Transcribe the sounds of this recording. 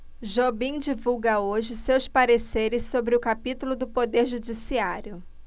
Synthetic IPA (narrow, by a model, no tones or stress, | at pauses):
ʒobĩd͡ʒivuwɡɐoʒɪsewspaɾeseɾɪsːobɾɪʊkapit̪ulʊd̪ʊpod̪eɾʒud͡ʒisiaɾjʊ